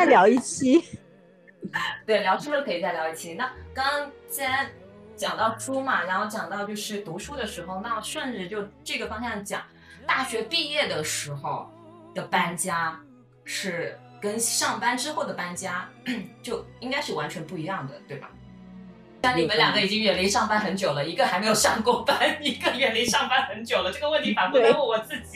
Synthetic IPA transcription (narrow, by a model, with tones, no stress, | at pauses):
t͡sa˥˩ɪ˩ljɑ˧˥ʊi˥˩t͡ɕʰi˥ | t̪we˥˩ɪljɑ˧˥ʊʂu˥lə˥˧kʰɤ˧˥i˨˩t͡sa˥˩ɪljɑ˧˥ʊi˥˩t͡ɕʰi˧˥na˥˩kɑ˥ŋt͡sa˥˩a˥˩t͡ɕjɑ˨˩ŋt̪ɑ˥˩ʊʂu˥mɐ˨˩ɻa˧˥nxo˥˩ʊt͡ɕjɑ˨˩ŋt̪ɑ˥˧ʊt͡ɕjo˥˧ʊʂɻ̩˥˩t̪u˧˥ʂu˥d̪ə˨ʂɻ̩˧˥xo˧ʊna˥˧ʂwə˥˧nʈ͡ʂɻ̩˥˧t͡ɕjo˥˧ʊʈ͡ʂɤ˥˩ɡə˩fɑ˥ŋɕjɑ˥˩ŋt͡ɕjɑ̰˨˩˦ŋ | t̪a˥˩ɕɥɛ˧˥pi˥˧jɛ˥˩d̪ə˩ʂɻ̩˧˥xo˧ʊ | d̪̥ə˨pa˥nt͡ɕja˥ | ʂɻ̩˥˩ | kə˥nʂɑ˥˩ŋpa˥nʈ͡ʂɻ̩˥xo˥˩ʊd̪ə˩pa˥nt͡ɕja˥t͡ɕjo˥˩ʊi˥ŋka˥ɪʂɻ̩˥˩wa˧˥nt͡ɕʰɥɛ˧˥npu˥˩i˧˥jɑ˥˩ŋd̪ə̰˩t̪we˥˩ɪbɐ̰˩ | t̪nni˨˩mə˧˦nljɑ˨˩ŋd̪ə˩i˨˩t͡ɕi˥ŋɥɛ˨˩nli˧˥ʂɑ˥˩ŋpa˥nxə˧˥nt͡ɕjo˨˩ʊlə˦i˧˥ɡə˧xa˧˥ɪme˧˥ɪjo˨˩ʂɑ˥˩ŋko˥˩pa˥ni˧˥ɡə˧ɥɛ˨˩nli˧˥ʂɑ˥˩ŋpa˥nxə˧˥nt͡ɕjo˨˩ʊlə˦ʈ͡ʂɤ˥˩ɡə˩wə˥˧nt̪ʰi˧˥fa˨˩pt̪ə˥wɔ˥˩wɔ˨˩t͡sɹ̩˥˩t͡ɕi˨˩